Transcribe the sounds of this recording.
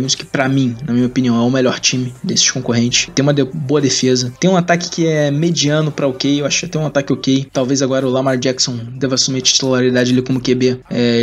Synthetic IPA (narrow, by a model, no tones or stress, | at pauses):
ẽmʊsʊ̥kɪ̥pɾɐmĩnɐmĩɲɐopiniɐ̃w̃ɛʊmeʎɔɾt͡ʃĩmɪd̪esɪ̥ʃkõŋkoɦẽnt͡ʃɪ̥ʃt̪ẽj̃ũmɐd̪eboɐd̪efezɐt̪ẽj̃ũat̪akɪ̥kɪɛɛmed͡ʒiɐ̃nʊpɾɐokejewaʃʊkɪat̪ɛ̃j̃ũat̪akɪokejt̪awvejzaɡɔɾɐʊlamaɾd͡ʒɛksõd̪ɛvɐsumet͡ʃi̥t͡ʃt̪ulaɾid̪ad͡ʒɪelɪkõmʊkebeɛ